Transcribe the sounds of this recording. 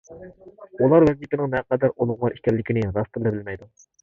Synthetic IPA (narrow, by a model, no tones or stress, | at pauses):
ulˠɑɾwɛzit̪ɪnɨŋnɛqɑd̪æɾolˠʊʁʁɑɾikʲɛlːɪkʲinɪɾɑst̪ɨɾlˠɪbɪlmɛjd̪u